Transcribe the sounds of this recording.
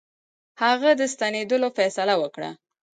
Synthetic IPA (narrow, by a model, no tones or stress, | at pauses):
haɣad̪əst̪aned̪əlofɛsalawəkɽa̰